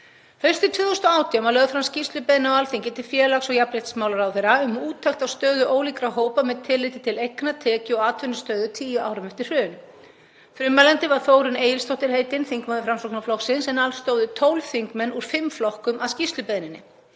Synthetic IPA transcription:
fœ̥st̪ɪt̪ʰvɪːðowst̪ɔaːwt̪ʰiamalœɣðfɾamscist̪lʏpɛðɪnawalθiŋcɪt̪ʰɪfjɛːlaksɔɣjapɾeht̪smaːwlaɾawθejɾaʏmuːt̪ʰːaxt̪awst̪œːðʏʔoːwliːkɾaɦoːwpamɛðt̪ʰɪlɪt̪ɪt̪ʰɪlejknat̪ʰɛːcɪɔaːt̪ʰʏnʏst̪œːðʏt̪ʰiːjʏaːwɾɪmɛft̪ɪr̥r̥ʏːnʏ | fɾʏmːalɛnt̪ɪvaɾ̥θoːwɾʏneːjɪlst̪ʰoht̪ɪɾ̥heːjt̪ɪnθiŋkmaðɪfɾamsɔknaflɔxsɪnsɛnalst̪oːwðʏt̪ʰowlθiŋkmɛnːuɾ̥fɪmflɔhkʏmʔaðscist̪lʏpɛðnɪnːɪ̰

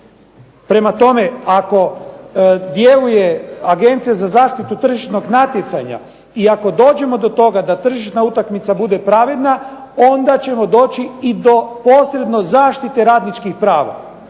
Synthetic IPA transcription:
pɾe̞mat̪o̞me̞ako̞ | d̪je̞luje̞aɡe̞nt̪sijezazaːʃt̪it̪ut̪r̩ʒiʃno̞ɡnat̪je̞t̪saɲa̰ | iako̞d̪o̞ːd͡ʑe̞mo̞d̪o̞t̪o̞ɡad̪at̪r̩ʒiʃnaut̪akmit̪sabud̪e̞pɾaʋe̞d̪nao̞nd̪at͡ɕe̞mo̞d̪o̞ːt͡ɕiid̪o̞po̞ːsɾe̞d̪no̞zaːʃt̪it̪e̞ɾaːd̪nit͡ʃkixpɾaːʋa̰

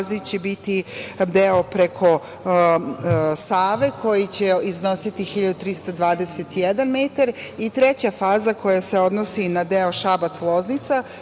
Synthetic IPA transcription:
zit͡ɕebit̪id̪eopɾekʰo̞ | saːʋe̞kʰo̞jit͡ɕe̞izno̞sit̪ixiʎad̪ut̪ɾist̪ad̪ʋaːd̪e̞set̪ijed̪anmeːt̪aɾit̪ɾet͡ɕafaːzako̞jaseo̞d̪nosinad̪eo̞ʃabat̪slˠo̞znit̪sa

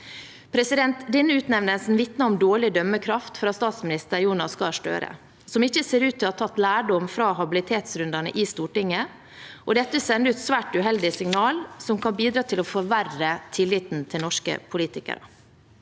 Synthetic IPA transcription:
pʰɾɛsɪd̪ɛnt̪d̪ɪnːəʉːt̪nɛʋnəlsn̩ʋɪt̪nɑɔmd̪oːɭɪd̪œmːəkʰɾɑft̪fɔɾɑt̪st̪ɑːt̪smɪnɪst̪əɾjuːnɑskɑʂʈø̰ːɾə̰ | sɔmɪçːəseːɾʉːt̪ʰːɪlɑt̪ʰːɑt̪ːlæːɖɔmfɾɑːɦɑbɪlɪt̪ʰeːt̪sɾʉnd̪ɑnə̰ʔist̪uːʈɪŋːə | ʔɔd̪ɛt̪ːəsɛnd̪ʉːt̪sʋæːʈʉɦɛld̪ɪsɪŋnɑːlsɔmkʰɑnbiːd̪ɾɑːt̪ʰɪlɔfɔɾʋærət̪ʰɪlːɪːt̪nt̪ʰɪlnɔʂkə̰pʰʊliːt̪ɪkə̰ɾə̰

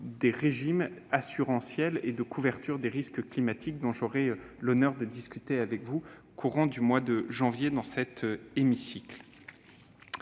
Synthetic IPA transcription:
d̪eʁeʒimasyʁɑ̃sjɛled̪əkʰuvɛʁt̪yʁd̪eʁiskklimat̪ʰik̚d̪ɔ̃ʒɔʁɛ | lɔnœʁd̪əd̪iskʲyt̪eavɛkvu | kʰuʁɑ̃d̪ymwad̪əʒɑ̃vjed̪ɑ̃sɛt̪ʰemisikl

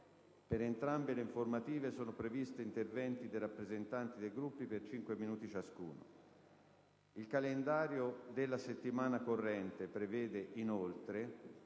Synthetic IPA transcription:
peɾent̪ɾambeleiɱformat̪iːvesoːnopɾevist̪eint̪ervɛnt̪id̪ejrapːɾezent̪ant̪id̪ejɡɾupːipert͡ʃiŋkweminuːt̪it͡ʃaskṵːno̰ | ilkalend̪aːɾjod̪elːaset̪ːimaːnakorːɛnt̪epɾevɛːd̪eʔinolt̪ɾe

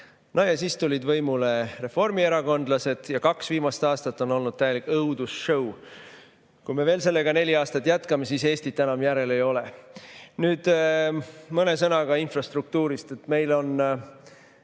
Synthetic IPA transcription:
nojɑsiːst̪ulid̪vɤjmule̞re̞fo̞rmie̞ɾɑko̞nd̪lɑse̞d̪̥jɑkɑksviːmɑst̪ɑːst̪ɑt̪ːˑo̞no̞lnud̪̥̚t̪æje̞likːˑɤwd̪̥usʃɤw | kujme̞ve̞ːlse̞lːe̞ɡ̥ɑne̞lʲiɑːst̪ɑt̪ːˑjæt̪kɑme̞siːse̞ːst̪it̪ːænɑmjæɾe̞le̞jo̞le̞nyːd̪̥ | mɤne̞sɤnɑɡ̥ɑinfrɑst̪ruk̚t̪uːɾist̪et̪ːˑme̞jlo̞n

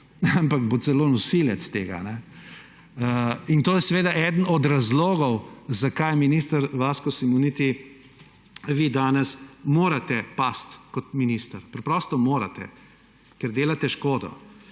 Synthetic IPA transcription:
ampakbot̪sɛloːnɔsiljɛt̪st̪eːɡa̰nɛ | əint̪oːjɛsɛʋeːd̪aʔɛd̪ənɔd̪ɾazloːɡɔwzakajminist̪aɾʋaːskɔsimunit̪i | ʋid̪aːnɛsmoːɾat̪ɛpast̪kɔt̪minist̪aɾpɾɛpɾɔst̪ɔmoːɾa̰t̪ɛ̰ | kɛɾd̪eːlat̪ɛʃkoːd̪ɔ̰

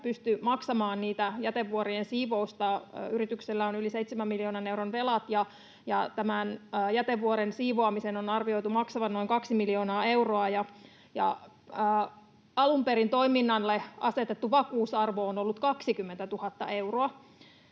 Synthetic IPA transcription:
pyst̪ymɑksɑmɑːnniːt̪æjæt̪eʋːuoɾiensiːʋoust̪ɑyrit̪ykselːæonyliseit̪semæmːiljoːnɑne̞wronʋe̞lɑt̪jɑ | jɑt̪æmænːjæt̪eʋːuoɾensiːʋoɑmisenonɑrʋio̞it̪umɑksɑʋɑnno̞iŋkɑksimiljoːnɑːe̞uroɑjɑ | jɑ̰ | əː | ɑlumpeɾint̪o̞iminːɑnleʔɑse̞t̪et̪ːuʋɑkuːsɑrʋoːnolːut̪kɑksikymːent̪æt̪uhɑt̪ːɑ̰ʔe̞wroɑ

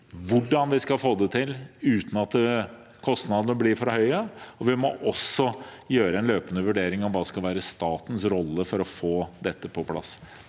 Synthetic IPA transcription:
ʋʊɖɑnʋɪskɑlfoːd̪ət̪ʰɪlʉːt̪n̩ɑt̪ | kʰɔst̪nɑd̪ənəblɪɾfɔɾhœʏəɔʋɪmɔʔɔsːɔjøːɾəɛnløːpənəʋʉɖeːɾɪŋɔmʋɑːskɑlʋæːɾəst̪ɑːt̪ən̩sɾɔlːəfɔɾɔfoːd̪ɛt̪ːəpʰɔpʰlɑ̰sː

